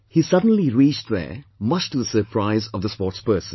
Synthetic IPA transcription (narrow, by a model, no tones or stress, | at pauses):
hiːsʌdə̃n̩liɾiːt͡ʃʈðɛ̰ːmʌt͡ʃʈuðəsəɾpʰɾaɪzɔʋd̪əspɔːʈspɜːsə̃n